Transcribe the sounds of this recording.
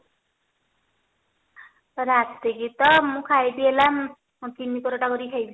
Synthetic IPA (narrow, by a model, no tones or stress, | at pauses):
ɾat̪eɡit̪ɔmũkʰajd̪ielam | t̪inikɔɾɔʈakɔɾikʰajb